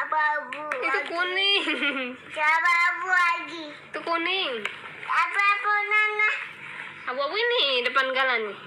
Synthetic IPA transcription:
ababuit̪ukunɪŋ | d͡ʒababuaɡi | t̪ukunɪŋ | apeaponana | abuabuinidəpanɡalani

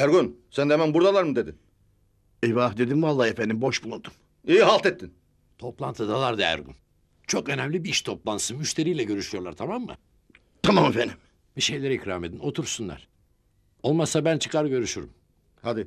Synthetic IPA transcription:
æɾɡynsænd̪emænbuɾd̪alˠaɾmɯd̪ed̪in | eβahd̪e̞d̪immalˠːahefænd̪imbo̞ʃbulˠund̪um | iːiɦalˠt̪ɛt̪ʰːin | t̪ʰo̞plˠant̪ʰɯd̪alˠaɾd̪aæ̰ɾɡṵn | t͡ʃʰo̞kø̞nɛmlʲibiiʃt̪ʰo̞plˠansɯnmyʃt̪ʰe̞ɾijlʲɛɟø̞ɾyʃyjo̞ɾlˠaɾt̪ʰamamːɯ̰ | t̪ʰamamefend̪im | biʃe̞jlʲeɾicɾaːmed̪ino̞t̪ʰuɾsunlˠa̰ɾ̥ | o̞lˠmasabænt͡ʃʰɯ̥kʰaɾɟø̞ɾyʃyɾum | had̪i

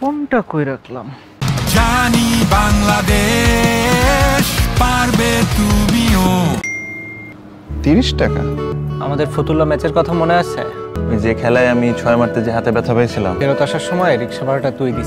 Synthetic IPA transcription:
ponʈakojɾakʰla̰m | d͡ʑanibaŋlad̪e | ʃpaɾbet̪umio | t̪iɾiʃʈaka̰a̰mad̪eɾfot̪ulomɛt͡ɕeɾkɔt̪ʰamoneaʃʰḛd͡ʑekʰɛlaeamit͡ɕʰɔemaʈt̪ed͡ʑeɦat̪ebɛt̪ʰapajt͡ɕʰila̰meɾot̪aʃaɾʃɔmɔeɾikʃabaɾaʈat̪ujɡ̪it͡ɕʰ

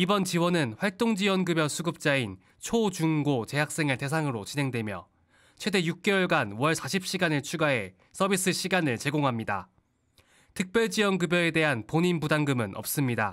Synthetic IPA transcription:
ibʌnt͡ɕiwʌnɯnɸwaɭt͈oŋd͡ʑiwʌnɡɯbjʌsʰuɡɯp̚t͡ɕ͈ain | t͡ɕʰot͡ɕuŋɡot͡ɕe̞ɦak̚s͈e̞ŋɯɭte̞s̬ʰaŋɯɾot͡ɕinɦe̞ŋdwe̞mjʌ | t͡ɕʰwe̞de̞juk̚k͈e̞ʌɭɡanwʌɭsʰaɕʰip̚ɕ͈iɡanɯɭt͡ɕʰuɡaɦe̞ | s͈ʰʌbis͈ɯɕ͈ʰiɡanɯɭt͡ɕe̞ɡoŋɦamɲida̰ | tʰɯk̚p͈jʌɭd͡ʑiwʌnɡɯbjʌe̞de̞ɦanpoɲinbudaŋɡɯmɯnʔʌp̚s͈ɯmɲida

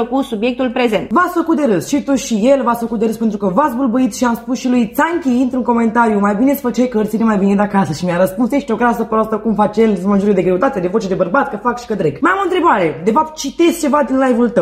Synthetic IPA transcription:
əkusubjek̚t̪ulpɾe̞zent̪vasfəkut̪̚d̪eɾɨsʃit̪uʃijelvasfəkut̪d̪eɨspent̪ɾukəvat̪sbulbuit̪ʃiamspusʃilujt̪saŋkʲiint̪ɾuŋko̞me̞nt̪aɾijumajbine̞sfəkt͡ʃejkəərt̪sinemajvined̪akasəʃimʲaɾəspunseʃt̪ʲoɡɾasəpast̪akumfat͡ʃelmənʒuɾied̪e̞ɡɾe̞ut̪at̪ead̪e̞vo̞t͡ʃed̪ebərbat̪̚kəfakʃi̥kəd̪ɾeɡmajamoɨnt̪ɾe̞baɾe̞d̪e̞fap̚t̪̚t͡ʃit̪est͡ʃe̞vad̪inlajvult̪ə

